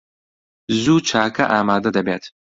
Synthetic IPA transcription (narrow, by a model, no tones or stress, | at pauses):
zuːt͡ʃʰaːkʰɐʔaːmaːd̪ɐd̪ɐbeːt̪